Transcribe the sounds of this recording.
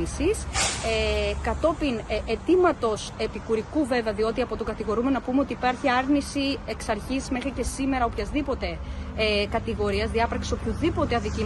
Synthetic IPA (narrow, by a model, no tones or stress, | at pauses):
isis | kɐt̪o̞pinʔet̪imɐt̪o̞se̞pikuɾikuve̞veɐðio̞t̪iɐpo̞t̪oɡɐt̪iɣo̞ɾumenonɐpumeo̞t̪iːpɐɾçiɐɾnisie̞ksɐɾçisme̞xɾice̞sime̞ɾɐopçɐzðipo̞t̪e̞ | kɐt̪iɣo̞ɾiɐzðiɐpɾɐksi̥so̞pçuðipo̞t̪e̞ɐðici